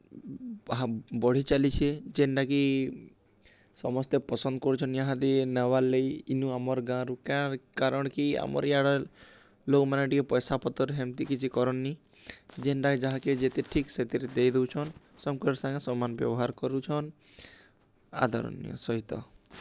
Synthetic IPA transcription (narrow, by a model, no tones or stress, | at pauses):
ɦabɔɽ̤it͡ʃalit͡ʃʰied͡ʒenɖaki | sɔmɔst̪epɔsɔnd̪ɔkɔɾut͡ʃʰɔnjaɦãd̪inewalejinuamɔɾɡãɾukaɾkaɾɔɽ̃kia̰mɔ̰ɾiaɽɔ | lokmanaʈikepɔjsapɔt̪ɔɾɦemt̪ikit͡ʃʰikɔɾɔnːi | d͡ʒenɖakd͡ʒaɦãked͡ʒet̪eʈʰikset̪eɾed̪ejd̪ewt͡ʃʰɔn | sɔmkɔɾɔɾsaŋɡesɔmːanɔbjɔ̰bɔɦaɾkɔɾut͡ʃʰɔn | a̰d̪ʱɔɾɔ̰nj̰ɔ̰sɔɦit̪ɔ̰